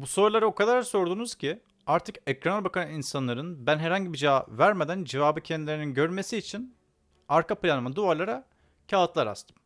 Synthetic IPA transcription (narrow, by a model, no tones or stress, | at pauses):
buso̞ɾlˠaɾɯo̞kʰad̪aɾso̞ɾd̪uːnuz̥cʰi | aɾt̪ʰɯkɛcɾanalʲbakʰanɯinsanlˠaɾɯnbænɦɛɾhaɲɟibid͡ʒaːvæɾmed̪ænd͡ʒevaːbɯcʰɛnd̪ilʲeɾininɟø̞ɾme̞siːt͡ʃʰin | aɾkʰaplʲanɯmad̪uaɾlˠaɾa | cʰaːɯt̪lˠaɾa̰st̪ʰɯ̥m